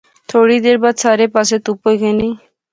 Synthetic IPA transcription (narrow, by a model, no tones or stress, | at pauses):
t̪ʰoɽid̪eɾbad̪sʰaɾepaset̪upojkeni